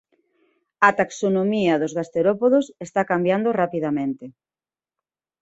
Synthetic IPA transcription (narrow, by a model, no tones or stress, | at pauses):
ɐt̪aksonomiɐðozɣast̪eɾopoðosest̪akambjand̪orapiðamẽnt̪e